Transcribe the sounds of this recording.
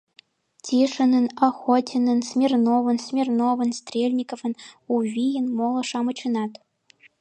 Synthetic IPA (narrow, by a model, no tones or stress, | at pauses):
tʲʰiʂɤ̆nɤ̆nɑxotʲɪnɤ̆nsmʲernovɤ̆nsʲmʲernovɤ̆nst̪rʲelʲnʲikovɤ̆nuvʲijənmolˠɤ̆ʂɑmɤ̆t͡ɕɤ̆nɑt̪